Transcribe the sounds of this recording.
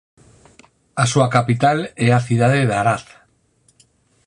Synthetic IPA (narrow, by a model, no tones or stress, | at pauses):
asuakapit̪aleaθiðað̞eðaɾaθ